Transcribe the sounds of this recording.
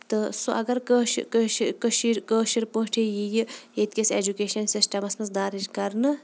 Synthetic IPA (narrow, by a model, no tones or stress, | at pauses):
t̪ɨsoʔɐɡɐɾkəʃkəʃkəʃiɾkəːʃiɾpõːʈʰejijieːt̪ʲkʲeseːd͡ʒukeːʃɐnsisʈɐmɐsmɐsd̪aːɾid͡ʒkɐɾnɨ